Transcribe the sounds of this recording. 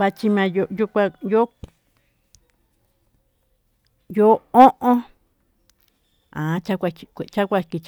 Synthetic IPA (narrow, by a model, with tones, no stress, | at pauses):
βa˧t͡ʃi˧mã˧jo˧ju˧kʷã˧jo˦ | jo˨˦õ˦ʔõ˦ | ã˨˦t͡ʃa˦kʷa˧i˧kʷe˨t͡ʃa˦kʷa˧ki˧t͡ʃ